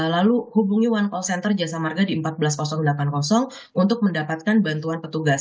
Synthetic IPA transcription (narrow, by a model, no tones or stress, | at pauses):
laluhubuŋiwankɔsɛnt̪ərd͡ʒasamarɡadiəmpat̪̚bəlaskɔsɔŋdlakankɔsɔŋ | unt̪ʊk̚məndapat̪̚kanbant̪uanpət̪uɡas